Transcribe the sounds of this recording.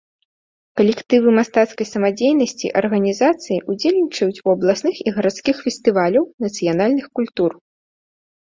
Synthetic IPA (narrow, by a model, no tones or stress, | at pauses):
kɐlʲɛkt̪ɨvɨmast̪at̪skɐjsɐmad͡zʲejnɐsʲt͡sʲḭʔɐrɣɐnʲizat̪sɨjiʔud͡zʲelʲnʲit͡ʂɐjut͡sʲuɐblˠasnɨxiɣɐɾat̪skʲixfʲɛsʲt̪ɨvalʲɐwnɐt̪sɨjanalʲnɨxkulʲt̪ur